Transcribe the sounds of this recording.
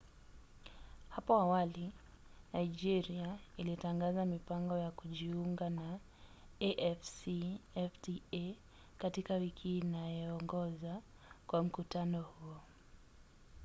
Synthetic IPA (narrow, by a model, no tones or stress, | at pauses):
hapɔawali | naid͡ʒiɾiailitaŋɡazamipaŋɡɔjakuʄiuŋɡana | ɛʔɛfsiɛftiɛ | katikawikʰiːnajɔːŋɡɔza | kwam̩kutanɔhuɔ